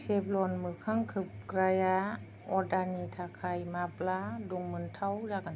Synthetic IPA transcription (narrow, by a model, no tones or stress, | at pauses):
seːp̚lɔːnmɯkʰaŋkʰɯp̚kɾajaː | ʔɔdanit̪ʰaːkʰajmaːplaːduŋmɯnt̪ʰawjaːka